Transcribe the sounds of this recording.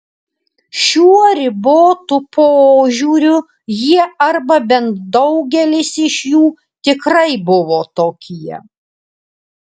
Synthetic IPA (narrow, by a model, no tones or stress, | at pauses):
ʃʲuːɔɾʲɪboːt̪ʊpoːʒʲuːɾʲʊ | jiɛɐɾbɐbʲɛnt̪̚d̪ɒʊɡʲɛlʲɪsɪʃjuː | t̪ʲɪkɾɐɪbʊʋoːt̪oːkʲiɛ